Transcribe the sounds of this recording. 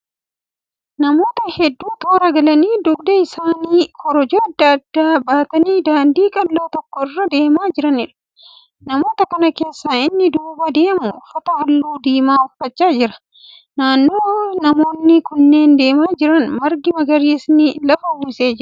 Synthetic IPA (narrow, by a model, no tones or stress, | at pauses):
nɐmo̞ːt̪ɐhɛd̪ːuːt̪oːɾɐɡɐlɐniːd̪ʊɡd̪ɐɪsaːniːkʰɔɾɔd͡ʒoːɐd̪ːɐɐd̪ːaːbaːt̪ɐniːd̪aːnd̪iːkʼɐlːoːt̪ɔkːɔɪrːɐd̪e̞ːmaːd͡ʒɪɾɐnɪᶑɐ̥ | nɐmo̞ːt̪ɐkɐnɐke̞ːsːaːɪnːɪd̪uːbɐd̪e̞ːmʊfɐt̪ɐhɐlːuːd̪iːmaːʊfːɐt͡ʃːaːd͡ʒɪɾɐ̥ | naːnːoːnɐmo̞ːnːɪkʊnːe̞ːnd̪e̞ːmaːd͡ʒɪɾɐnmɐɾɡɪmɐɡɐɾiːsnɪlɐfɐhuːseːd͡ʒɪɾɐ